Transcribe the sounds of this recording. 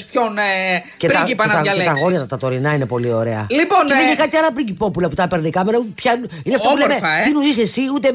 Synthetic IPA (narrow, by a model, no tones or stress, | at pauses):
spçonceɾiipɐnt̪ɐɐlt̪ɐɣo̞ɾjɐt̪ɐt̪ɐt̪o̞ɾinɐine̞po̞lio̞ɾe̞ɐ̰liponeðiçekɐt̪iɐlɐpɾiɟipopulɐput̪ɐpeɾnekɐmeɾɐpçɐu | ineɐft̪ɐppulemeɐt̪inuzisesiut̪e̞